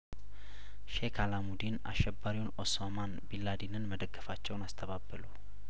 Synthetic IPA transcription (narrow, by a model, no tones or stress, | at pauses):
ʃekʰalamud̪ina̰ʃːɛbːaɾiwunosamanbilːad̪inɨnməd̪əɡːəfat͡ʃːɛwnast̪ʰəβabːəlu